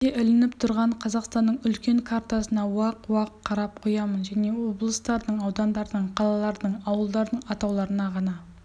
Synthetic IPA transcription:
eʔʏlɪnɪpt̪ʰʊɾʁɑɴqʰɑzɑqst̪ɑnːəɴʏlkʲe̞ŋkʰaɾt̪asənɑwɑqwɑqʰːɑɾɑp̚qʰojɑmənʒæne̞wo̞blˠəst̪ɑɾd̪əɴɑwd̪ɑnd̪ɑɾd̪əɴqʰɑlˠɑlˠɑɾd̪əɴɑwəlˠd̪ɑɾd̪əɴɑt̪ɑwlˠɑɾənɑʁɑnɑ

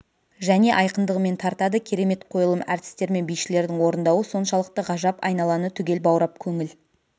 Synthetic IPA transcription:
ʒæne̞ʔɑjqənd̪əʁəme̞nt̪ʰɑɾt̪ɑd̪əkʲʰe̞ɾe̞me̞t̪qʰo̞jəlˠəmæɾt̪ɪ̥st̪e̞ɾme̞nbijʃɪle̞ɾd̪ɪŋwo̞ɾənd̪ɑwəso̞nʃɑlˠəq̚t̪əʁɑʒɑpɑ̰jnɑlˠɑnət̪ʰʏɡʲe̞lbɑwɾɑp̚kʲʰɵŋɪl

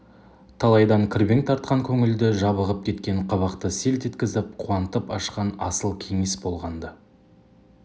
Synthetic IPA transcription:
t̪ʰɑlˠɑjd̪ɑŋkʲʰɪɾbeŋt̪ʰɑɾt̪̚qɑŋkʲʰɵŋɪld̪ɪʒɑβəʁəp̚kʲʰe̞t̪kʲe̞ɴqʰɑβɑqt̪əse̞lt̪et̪kʲɪzɪp̚qʰuwɑnt̪əpɑʃqɑnɑsəlˠkʲʰe̞ŋe̞sbo̞lˠʁɑnd̪ə

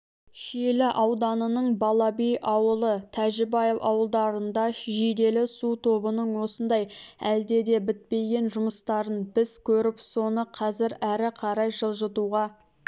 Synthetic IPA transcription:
ʃelɪʔɑwd̪ɑnənəɴbɑlˠɑbijʔɑwəlˠət̪ʰæʒɪbɑjewɑ̰wəlˠd̪ɑɾənd̪ɑʒed̪e̞lɪsut̪ʰo̞bənəɴwo̞sənd̪ɑjæ̰ld̪e̞d̪e̞bɪt̪̚pe̞ɡʲe̞nʒʊməst̪ɑɾənbɪz̥kʲʰɵɾɪpso̞nəqʰɑzɪɾæɾɪqʰɑɾɑjʒəlˠʒət̪uʁɑ

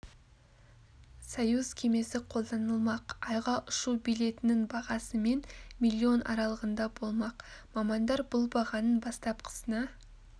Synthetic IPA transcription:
sajuzkʲʰe̞me̞sɪqʰo̞lˠd̪ɑnəlˠmɑqɑjʁɑʔʊʃubijle̞t̪ɪnɪŋbɑʁɑsəme̞nmilʲːio̞nʔɑ̰ɾɑlˠəʁənd̪ɑbo̞lˠmɑqmɑmɑnd̪ɑɾbʊlˠbɑʁɑnənbɑst̪ɑpqʰə̥sənɑ

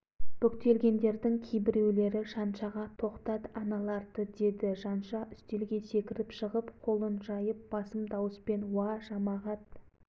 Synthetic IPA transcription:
b̥ʏkt̪e̞lɡʲe̞nd̪e̞ɾd̪ɪŋkʲʰejbɪɾe̞wle̞ɾɪʃɑnʃɑʁɑt̪ʰo̞qt̪ɑt̪ɑnɑlˠɑɾd̪əd̪e̞d̪ɪʒɑnʃɑʔʏst̪e̞lɡʲe̞se̞kʲɪɾɪpʃəʁəpqʰo̞lˠənʒɑjəp̚b̥ɑsəmd̪ɑwəspe̞nwɑʒɑmɑʁɑt̪̚

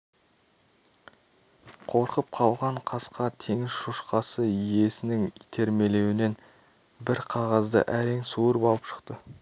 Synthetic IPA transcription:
qʰo̞ɾqəp̚qʰɑlˠʁɑɴqʰɑsqɑt̪ʰe̞ŋɪz̥ʃuʃqɑsəije̞sɪnɪŋijt̪ʰe̞ɾme̞le̞wɪne̞n | bɪɾqʰɑʁɑzd̪ə̰ʔæɾe̞ŋsuəɾəpɑlˠəpʃə̥qt̪ə

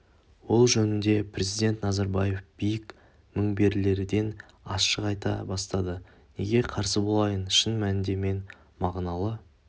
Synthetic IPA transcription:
wo̞lˠʒɵnɪnd̪e̞pʰrʲe̞zijd̪ʲe̞nt̪nɑzɑɾbɑje̞fb̥ijɪk | mɪŋbe̞ɾɪle̞ɾɪd̪e̞n | ɑsʃəqɑjt̪ɑ̰bɑst̪ɑd̪ə | ne̞̰ɡʲe̞qʰɑɾsəbo̞lˠɑjənʃənmænɪnd̪e̞me̞n | mɑʁnɑlˠə

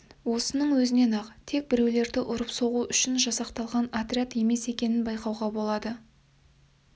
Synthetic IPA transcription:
wo̞sənəɴwɵzɪne̞nɑqt̪ʰe̞k̚bɪɾe̞wle̞ɾd̪ɪʔʊɾəpso̞ʁuʔʏʃɪnʒɑsɑqt̪ɑlˠʁɑnat̪ɾʲiat̪e̞me̞se̞kʲe̞nɪnbɑjqɑwʁɑbo̞lˠɑd̪ə

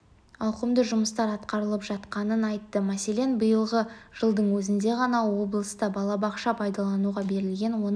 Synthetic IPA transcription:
ɑwqəmd̪əʒʊməst̪ɑɾɑt̪qɑɾəlˠəpʒɑt̪qɑnənɑjt̪ːəmæse̞le̞nbəjəlˠʁəʒ̥əlˠd̪əɴwɵzɪnd̪e̞ʁɑnɑwo̞blˠəst̪ɑbɑlˠɑbɑqʃɑpʰɑjd̪ɑlˠɑnuʁɑbe̞ɾɪlɡʲe̞nwo̞n

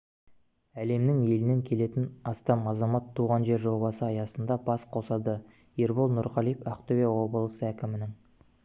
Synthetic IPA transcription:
æle̞mnɪŋe̞lɪne̞ŋkʲʰe̞le̞t̪ɪnɑst̪ɑmɑzɑmɑt̪ʰːuʁɑnʒe̞ɾʒo̞bɑsəɑjɑsənd̪ɑbɑsqʰo̞sɑd̪ə | eɾbolˠnʊɾqɑlijpæqt̪owewo̞bəlˠəsəækʲɪmɪnɪŋ

